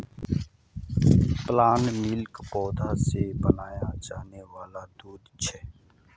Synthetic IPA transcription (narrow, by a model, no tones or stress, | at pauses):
plaːnmɪlkpɔːd̪ʱaːseːbənaːjaːd͡ʒaːneʋaːlaːd̪uːd̪t͡ʃʰɛː